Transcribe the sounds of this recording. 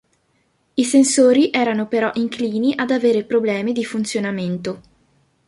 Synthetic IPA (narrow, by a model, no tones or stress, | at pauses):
isensoːɾiʔɛːɾanopeɾɔʔiŋkliːniʔad̪aveːɾepɾoblɛːmid̪ifunt̪sjonament̪o